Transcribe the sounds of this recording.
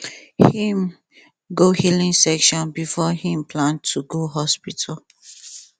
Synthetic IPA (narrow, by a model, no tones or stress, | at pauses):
hĩm | ɡohilĩŋsɛkʃɔ̃nbifɔhĩmpʰlãntʰuɡoɦɔspitʰal